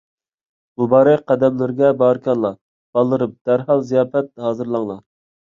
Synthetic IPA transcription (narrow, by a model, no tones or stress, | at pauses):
b̥ubɑːɾɨqɛd̪ɛmlɪɾɡʲɛbɑɾkʲʰɑnlˠɑ | b̥ɑlˠːɨɾɨp̚d̪̥æɾɦɑlˠzijɑːfɛt̪̚hɑːzɨɾlˠɑŋlˠɑ